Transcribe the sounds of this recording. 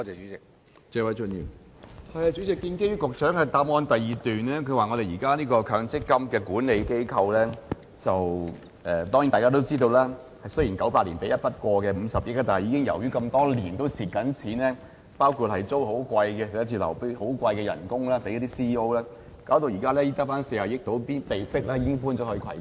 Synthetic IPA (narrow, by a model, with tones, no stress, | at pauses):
ɔ˧t͡sɛː˨˩t͡ʃyː˨˥t͡sɪ˨k̚ | t͡sɛː˧wɐ˨˥jt͡ʃə˧njḭː˨˩mhɐ˧jɐ˨˧t͡ʃy˨˥t͡sɪ˨kːiː˧nke˥jy˥kʊ˨k̚sœː˨˥ŋhɐ˨˧jt̪aː˧˥p̚ŋɔː˧nt̪ɐ˨jiː˨t̪yː˨˩nlɛː˥kʰɵ˨˧ɥwaː˨ŋɔ˨˧ɾe˨jiː˨˩kaː˥liː˥kɔː˧kʰœː˧ŋt͡sɪ˥kːɐ˥mkɛː˧kuː˨˥nle˨˧jke˥jkʰɐ˧wlɛː˥ | t͡sɐ˨w | ʔɛː˨t̪ɔ˥ŋi˨˥nt̪aː˨˩kaː˥t̪o˥wt͡siː˥t̪o˧wlɛː˥ | hɐ˨jsɵ˥jiː˨˩nkɐ˨˥wpaː˧lḭː˨˩npe˨˥jɐ˥t̚pɐ˥t̚kɔː˧kɛː˧m̩˨˧sɐ˨p̚jɪ˥k̚t̪aː˨˩ɦjiː˧˥kɪ˥ŋjɐ̰˨˩wjyː˥kɐ˧mt̪ɔː˥liː˨˩nt̪o˥wsiː˨t̚kɐ˨˥nt͡sʰiː˨˥nlɛː˥ | paː˥wkʰu˨t̚hɐ˨jt͡so˥who˨˥wkʷɐ˧jkɛ˧˨˥jɐ˥t͡sʰiː˧lɐ̰˨˩wpe˥ho˨˥wkʷɐ˧jkɛː˧jɐ̰˨˩nkʊ˥ŋlaː˥pe˧˥jɐ˥t̪iː˥siː˥iː˥o˥wlɛː˥ | kaː˨˥wt̪o˧wjiː˨˩kaː˥lɛː˥jiː˥t̪a˥paː˥nsiː˧˩hɐ˨˩wjɪ˥k̚t̪o˨˧˥wpiː˥npe˨jfɪ˥k̚lɛ˥jiː˧kkɪ˥ŋfuː˥nt͡sɔː˨˥hi˧kʰɐ̰˨˩j